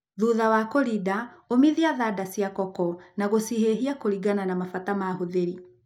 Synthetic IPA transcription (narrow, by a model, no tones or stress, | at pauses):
ðuðawakoɾidaomiðiaðaːdasiakɔkɔnaɣosiheɦiakoɾiɡananamafatamaɦoðeɾi